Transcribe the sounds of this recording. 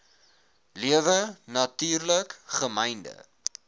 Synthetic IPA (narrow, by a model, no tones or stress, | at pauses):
liəvənɐtyːrləkχəmɛjndə̰